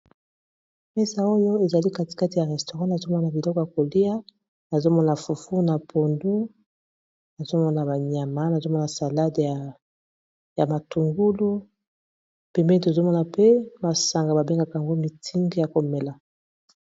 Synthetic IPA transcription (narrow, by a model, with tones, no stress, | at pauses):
mɛ˦sa˨o˦jo˦e˨za˨li˦ka˦ti̥˨ka˦ti˨ja˨ʁɛ˨sto˨ʁã˦na˨zo˦mɔ˦na˨bi˨lɔ˦ko˨ja˨ko˨li˦ja˦ | na˨zo˦mɔ˦na˨fu˨fu˦na˨pʰo˨ndu˦ | na˨zo˦mɔ˦na˨ba˨ɲa˨ma˦na˨zo˦mɔ˦na˨sa˨la˦da˨ | ja˨ma˨tu˨ŋɡu˦lu˦ | pɛ˨mbɛ˦to˨zo˦mɔ˦na˨pe˦ma˨sa˨ŋɡa˨ba˨be˦ŋɡa˦ka˨a˨ŋɡo˦mi˨tʰi˦ŋɡi˦ja˨ko˨mɛ˨la˨